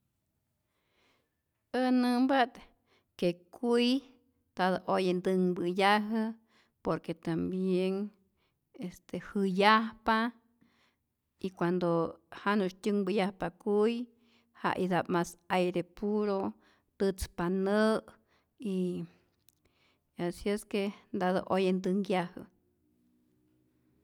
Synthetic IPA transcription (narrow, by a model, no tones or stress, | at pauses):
ənɨmbat̪ | kekuj | t̪aðoʔojend̪ɨŋbɨjaɦə | poɾket̪ambjeŋ | est̪ehɨjahpa | ikʷand̪ohanuʃtʲɨŋbɨjahpakuj | ha̰ʔid̪apmasajɾepuɾo | t̪ɨt͡spanəʔ | i | asieskend̪aðo̰ʔojend̪ɨŋjahə̰